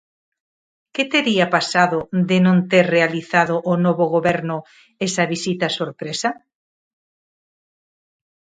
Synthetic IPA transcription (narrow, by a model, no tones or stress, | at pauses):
ket̪eɾiapasaðod̪ɪnõnt̪eɾrealiθaðoʔːnoβoɣoβɛɾnʊ | esɐβisit̪ɐsoɾpɾesɐ